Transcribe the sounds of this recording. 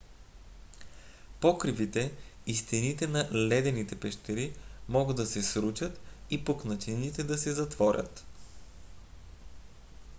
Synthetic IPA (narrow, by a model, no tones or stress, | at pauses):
pokɾivit̪ɛist̪init̪ɛnɐlɛd̪ɛnit̪ɛpɛʃt̪ɛɾimɔɡəd̪ːɐsɛsɾut͡ʃɐt̪ipoknɐt͡ʃ̪init̪ɛd̪ɐsɛzɐt̪vɔɾʲə̰t̪